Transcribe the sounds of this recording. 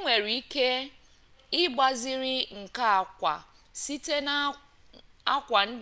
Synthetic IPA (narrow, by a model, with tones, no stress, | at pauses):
ŋʷe˨ɾi˨i˦ke˦ | ɪ˦ɡ͡ba˦zɪ˦ɾɪ˦ŋ̩˨ka˦a˨kʷa̰˨ | si˦te˦n˦ | a˦kʷa˨n̩˦d